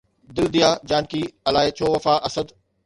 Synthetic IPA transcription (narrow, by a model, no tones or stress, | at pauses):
d̪ɪld̪ijaːd͡ʑaːnkiɐlaːɪt͡ɕʰoːʋɐfaʔɐsəd̪